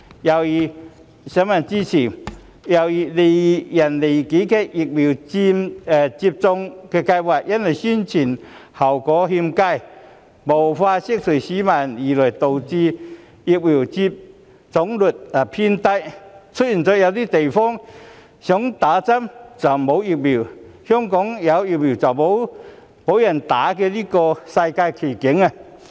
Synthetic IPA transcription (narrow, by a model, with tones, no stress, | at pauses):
ja˧wi˧ | ɕja˧˦ma˨nt͡ɕi˧t͡ɕʰi˨˩ | ja˧wi˧li˧˩ja˨˩nli˨˩˨ki˨˦ke˧ʔi˧k̚bi˨˩wt͡ɕi˧m˨t͡ɕi˧p̚t͡sɔ˧ŋke˧ka˧jbwa˧˩jʔja˦˥ne˨˩ɕi˧˥nt͡ɕʰi˨˩n | ha˨˩wkɔ˨˦ɦi˧mka˧˨j | bo˨˩wfa˧ɕi˧˥k̚sʰu˨˩ɕi˨˦ma˧˩ni˨˩lɔ˨˩jt̪o˨˩wt͡ɕi˧ | i˧k̚wi˨˩wt͡ɕi˧p̚ | t͡sɔ˨˦ŋlu˨˩t̪̚a˨˩pʰi˧nt̪a˧jt͡sʰu˦˥t̚i˨˩nt͡so˧˦ja˧wli˦˥t̪e˨˩jfɔ˦˥ŋ | ɕjɔ˨˥ŋt̪a˨˦t͡sa˦˥mt͡sa˨˩mbo˨˦wi˧k̚bi˨˩whjɔ˦˥mkɔ˨˦ŋja˨˧˦wi˧k̚bi˨˩t͡sa˨˩bo˨˧˦w | bo˨˦wja˨˩nt̪a˨˦ke˧li˦˥kɔ˧sa˧jka˧jkʰi˨˩ki˨˦ŋa˧˨